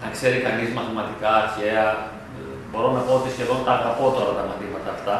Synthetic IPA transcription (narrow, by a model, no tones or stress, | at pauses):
nɐkse̞ɾikɐnizmɐθimɐt̪ikɐːɾçe̞ɐ | bo̞ɾo̞nɐpo̞ot̪isçeðo̞nt̪ɐːɣɐpo̞t̪o̞ɾɐt̪ɐmɐθimɐt̪ɐːft̪ɐ